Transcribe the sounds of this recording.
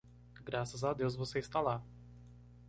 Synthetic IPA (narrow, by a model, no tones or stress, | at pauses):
ɡɾasazad̪ewzvosest̪ala